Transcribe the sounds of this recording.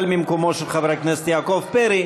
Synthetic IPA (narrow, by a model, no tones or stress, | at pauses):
lmimkomoʃelχavɾakneset̪jaːkovpeɾi